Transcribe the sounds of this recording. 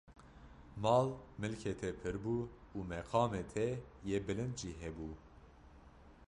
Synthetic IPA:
mɑːlmɨlkʰet̪ʰɛpʰɨɾbuumɛqʰɑːmet̪ʰɛjebɨlɨnd̪ʒiːɦɛbuː

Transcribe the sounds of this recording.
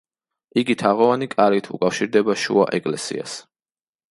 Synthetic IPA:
iɡit̪ʰaʁɔvanikʼaɾit̪ʰṵkʼafʃiɾd̪ɛbaʃṵa̰ʔɛkʼlɛsḭa̰s

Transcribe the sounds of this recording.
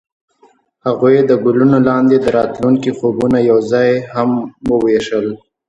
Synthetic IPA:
haɣujed̪əɡʊlunolɑnd̪ed̪əɾɑt̪luŋkixobunajawzɑjhamwəweʃəl

